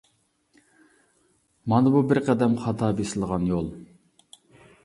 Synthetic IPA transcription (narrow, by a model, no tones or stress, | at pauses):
mɑnɨbubɪɾqʰɛd̪ɛmχɑt̪ʰɑːbesɪlˠʁɑnjolˠ